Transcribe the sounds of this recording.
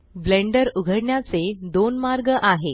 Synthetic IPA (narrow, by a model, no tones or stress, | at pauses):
blẽɳɖəɾuɡʱəɽɳjat͡sed̪onmaɾɡəʔaɦe